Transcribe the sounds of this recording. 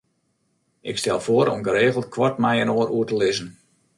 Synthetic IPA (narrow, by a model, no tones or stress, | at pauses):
ʔɪkstɛlˠfoəɾɔ̰mɡəɾeːɣəlˠtkʰwɔtmɛjənoəɾʔuətəlɪzən